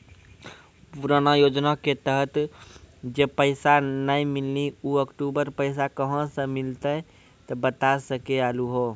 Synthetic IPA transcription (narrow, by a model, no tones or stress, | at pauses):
puɾanajod͡ʒnaket̪əɦət̪ | d͡ʒepəɪsanəĩmilːiuəkʈubəɾpəɪs̬akəɦə̃sə̃mɪlt̪ə | t̪ɔbət̪asəkealuɦo